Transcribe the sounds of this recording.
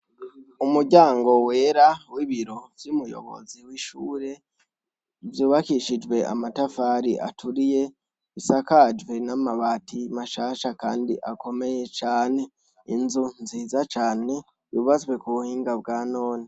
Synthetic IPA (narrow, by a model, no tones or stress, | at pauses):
umuɟaːŋɡo̞we̞ːɾawiβiɾo̞vjumujo̞̰βo̞̰ziwiʃuːɾe̞ | vjuːβakiʃid͡ʒwe̞a̰matafaːɾiʔa̰tʰuɾije̞ | isakad͡ʒwenamaβaːtʰimaʃaːʃakaːndḭʔako̞me̞je̞t͡ʃaːne̞ | ḭnzunziːzat͡ʃaːne̞ | juβazwe̞kuβuhiːŋɡab̚ɡaːno̞ːni